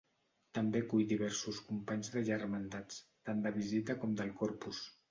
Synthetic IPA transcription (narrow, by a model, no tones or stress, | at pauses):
t̪əmbekujd̪iβɛɾsuskumpaɲzðəʒərmənd̪at͡st̪and̪əβ̞izit̪əkɔmd̪əlˠkɔɾpus